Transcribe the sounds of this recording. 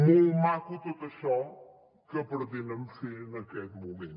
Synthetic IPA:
mumakut̪ot̪ɐʃɔ̃ | kɐpɨɾðinɐmsenɐkɛðmumẽnt̪

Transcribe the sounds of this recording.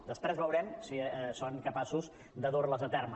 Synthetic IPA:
d̪əspɾɛzβəwɾɛmsisoŋkəpasuz | d̪əðorləzət̪ɛrmə

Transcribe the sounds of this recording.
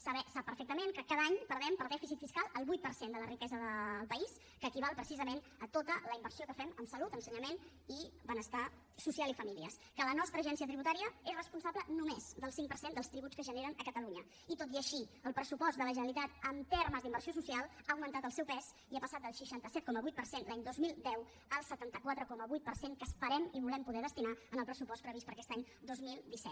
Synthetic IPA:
səβɛsapːəɾfɛk̚t̪əmenkəkaðaɲpəɾð̞ɛmpəɾdɛfisit̪fiskalˠəlˠβujt̪̚pəɾsend̪ələrikɛzəðəlˠpəis | kəːkiβalˠpɾəsizəmen | ət̪ot̪ələimbəɾsiokəfɛməmsəlut̪ənsəɲəmen | ibənəst̪a | susialifəmiliə̰skələnɔst̪ɾəːʒɛnsiət̪ɾiβut̪aɾiəesrəspunsablənumez̥d̪əlˠsiŋpəɾsend̪əlst̪ɾiβutt͡skəʒəneɾənəkət̪əluɲə | it̪ot̪iəʃiəlˠpɾəsupɔzt̪d̪ələʒənəlit̪at̪əmt̪erməzd̪imbərsiosusialˠaəwmənt̪at̪əlˠsɛwpɛz | iapəsat̪̚d̪əlˠʃəʃant̪əsɛt̪kɔməβujt̪pəɾsenlaɲd̪ozmilˠd̪ɛw | əlˠsət̪ant̪əkwat̪ɾəkɔməβujt̪pəɾseŋkəspəɾɛmiβulɛmpuðɛð̞əst̪inaənəlˠpɾəsupɔspɾəβispəɾəkɛst̪aɲ | d̪ozmilˠd̪isɛ̰t̪

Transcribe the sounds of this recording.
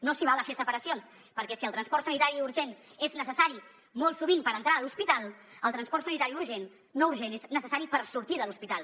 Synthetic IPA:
nosiβalˠəfesəpəɾəsions | pəɾkɛsiəlˠt̪ɾənspɔɾrt̪sənit̪aɾiuɾʒeneznəsəsaɾi | molˠsuβinpəɾənt̪ɾaəːluspit̪alˠəlˠt̪ɾənspɔɾrt̪sənit̪aɾiuɾʒenː | ouɾʒeneznəsəsaɾipəɾsuɾt̪iðəluspit̪alˠ

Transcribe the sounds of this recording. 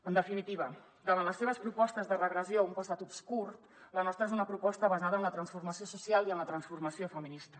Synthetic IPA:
ənd̪əfinit̪iβə | d̪əβanləsːeβ̞əspɾupɔst̪əzðərəɣɾəzioumpəst̪at̪upskurt̪ | lənɔst̪ɾəezunəpɾupɔst̪əβəzaðənlət̪ɾənsfurməsiosusialˠiənlət̪ɾənsfurməsiofəminist̪ə

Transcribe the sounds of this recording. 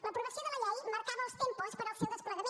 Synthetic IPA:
lɐpɾuɣɾɐsiɐðəlɐʎajmɐɾkaβɐulˠst̪ẽmpospəɾɐlˠsewðespləɣɐmẽ

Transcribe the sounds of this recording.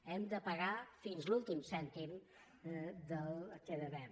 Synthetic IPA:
ɛmd̪əpəɣafinzlulˠt̪imsɛnt̪im | d̪əlˠkeðəβɛm

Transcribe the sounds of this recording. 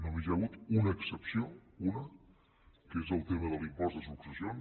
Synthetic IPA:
nomiʒaβut̪unəːksəpsjounə | kezəlˠt̪eməðəlimpɔzðəzuukɾəzjon

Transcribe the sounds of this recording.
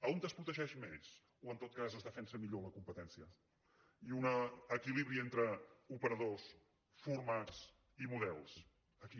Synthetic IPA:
əont̪əspɾut̪əʒɛʃmez̥ | oənt̪ot̪̚kazəzðəfɛnsəmiʎoləkumpət̪ɛnsiə | iunəːkiliβɾient̪ɾəupəɾəðos | furmat͡s | imuðɛlˠs | əki

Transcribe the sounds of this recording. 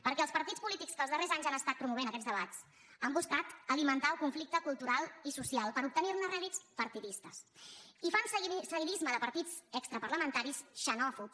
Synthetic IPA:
pəɾkɛəlˠspəɾt̪it͡spulit̪ikskəlzðərezaɲzanəst̪at̪̚pɾumuβ̞enkɛd͡zzd̪əβ̞at͡s | əmbuskat̪əlimənt̪aəlˠkuɱflik̚t̪əkulˠt̪uɾalˠisusialˠpəɾup̚t̪əniɾnəreəlit͡spəɾt̪iðist̪əsifanssəiβizməðəpəɾt̪id͡zəkst̪ɾəpəɾləmənt̪aɾisʃənɔfu

